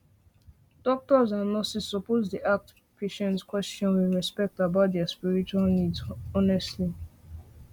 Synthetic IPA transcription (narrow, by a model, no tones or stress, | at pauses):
d̥ɔk̚tɔzãnɔsisɔpozdiʔak̚t | pʰeʃɛ̃nskwɛst͡ʃɔ̃nwiɹɛspɛk̚tabaʊt̚dɛaspiɹit͡ʃualnidzɔnɛstli